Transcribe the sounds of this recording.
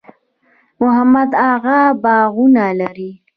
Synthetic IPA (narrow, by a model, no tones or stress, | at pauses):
mʊɦamad̪aɣabɑɣunalaɾi